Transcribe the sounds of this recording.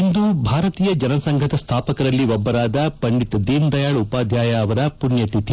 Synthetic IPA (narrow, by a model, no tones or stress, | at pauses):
ind̪ubʱaːɾɐt̪iːjɐd͡ʒɐnɐsɐŋɡʱɐt̪ɐst̪ʰaːpɐkɐɾɐlːiʋɔbːɐɾaːd̪ɐpɐɳɖit̪ɐd̪iːnd̪ɐjaːɭupaːd̪ʱjaːjaːʋɐɾɐpunjɐt̪it̪ʰi